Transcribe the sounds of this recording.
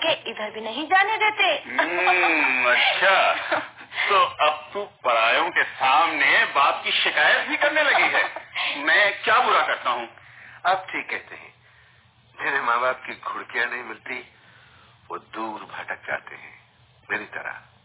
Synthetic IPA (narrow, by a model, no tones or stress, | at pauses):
keɪd̪ʱəɾbʱinɐɦĩd͡ʒaːned̪eːt̪e | ɐtːʃʰa | t̪oːɐb̚t̪upɐɽaːjõkesaːmnebaːp̚kiʃɪkaːjət̪̚bʱikɐɾnelɐɡiɦɛːmɛ̃ːkjaːpuɾakɐɾt̪aɦũːɐb̚ʈʰiːkːɛɦt̪eɦɛ̰̃ː | d͡ʒeːɾemaːbaːp̚kiɡʱʊɽkijanɐɦĩmɪlt̪i | ʋo̰ːd̪uːɾbʱɐʈək̚d͡ʒa̰ːt̪ḛɦɛ̰̃ː | meːɾit̪ɐ̰ɾa̰